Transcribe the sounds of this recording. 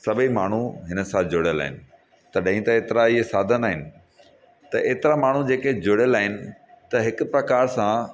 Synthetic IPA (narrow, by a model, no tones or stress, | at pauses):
sɐbʱimaːɳ̤uɦɪnə̆sãd͡ʑʊɽɪjəla̰ːɦɪnɪ̆ | t̪ɐɗɐ̃ɦĩt̪ɐeːt̪ɪɾaiɦesaːd̪ʱənaːɦɪnɪ̆ | t̪ɐʔeːt̪ɪɾamaːɳ̤ud͡ʑeːked͡ʑʊɽjəlaːɦɪnɪ̆t̪ɐɦɪkʊpɾɐkaːɾsã